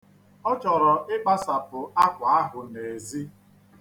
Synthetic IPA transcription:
ɔ˦t͡ʃɔ˨ɾɔ˨ʔɪ˦k͡pa˦sa˨pʊ˨a˦kʷa˨a˦ɦʊ˨ne˨zi˦

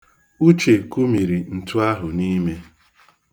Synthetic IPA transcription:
u˦t͡ʃe˨ku˦mi˨ɾi˨n̩˨tʊ˦a˦ɦʊ˨ni˦me˦

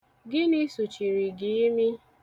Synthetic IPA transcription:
ɡɪ˦ni˦su˨t͡ʃi˨ɾi˨ɡi˨i˦mi˦

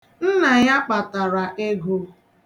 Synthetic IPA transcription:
n̩˦na˨ja˦k͡pa˨ta˨ɾa˨ʔe˦ɡo˦

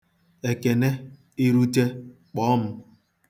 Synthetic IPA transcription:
e˨ke˨ne˦ | i˦ɾu˦te˦ | k͡pɔ˦m̩˦

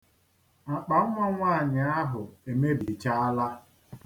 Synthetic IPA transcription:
ŋ͡m̩˨k͡pa˨ŋ̩ʷ˦a˦ŋʷa˦a˨ɲɪ˨a˦ɦʊ˨e˨me˦bi˨t͡ʃa˦a˦la˦

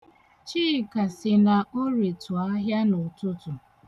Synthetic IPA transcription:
t͡ʃiː˦˨ka˨sɪ˨na˨ʔo˦ɾe˨tʊ˨a˦ɦja˦nʊ˨tʊ˦tʊ˨

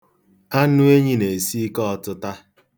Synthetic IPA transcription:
a˦nʊ˦e˦ɲi˦ne˨e˨si˦kɔ˦ɔ˨tʊ˦ta˦

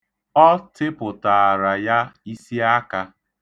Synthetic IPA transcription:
ɔ˦tɪ˦pʊ˨ta˨a˨ɾa˨ja˦i˦si˦a˦ka˦

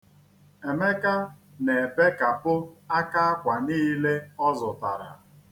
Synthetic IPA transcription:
e˨me˦ka˦ne˨be˦ka˨pʊ˦a˦ka˦a˦kʷa˨niː˦le˦ɔ˦zʊ˨ta˨ɾa̰˨

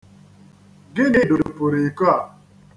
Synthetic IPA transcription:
ɡɪ˦nɪ˦dʊ˨dʊ˨pʊ˨ɾi˨ko˦a˨

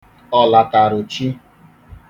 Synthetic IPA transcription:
ɔ˨la˨ta˨ɾʊ˨t͡ʃi˦

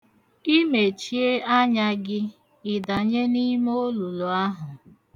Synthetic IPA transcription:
i˦me˨t͡ʃi˦e˦a˦ɲa˦ɡɪ˦ | ɪ˨da˨ɲe˦ni˦mo˦lu˨lu˨a˦ɦʊ˨

